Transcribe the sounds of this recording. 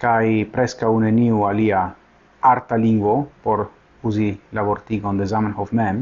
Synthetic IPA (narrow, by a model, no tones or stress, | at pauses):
kajpɾeskauneniwalia | aɾt̪aliŋɡwopoɾ | uzilaβoɾt̪iɡond̪ezamanhofmɛm